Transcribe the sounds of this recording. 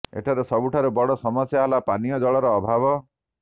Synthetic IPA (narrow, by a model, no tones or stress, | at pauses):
ḛʈʰaɾesɔbuʈʰaɾubɔɽɔsɔmɔsjaɦalapanijɔd͡ʒɔɭɔɾɔːbʱabɔ